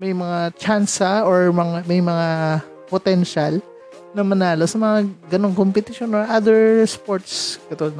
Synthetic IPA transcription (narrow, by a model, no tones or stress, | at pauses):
mɐjmɐŋat͡ʃansɐoɹmɐŋamɐjmɐŋa | pot̪ɛnʃal | nɐmɐnaːlosɐmɐŋaɡɐnoŋkompɛt̪ɪʃonoɹʔad̪ɛɹspoɹt̪skɐt̪od̪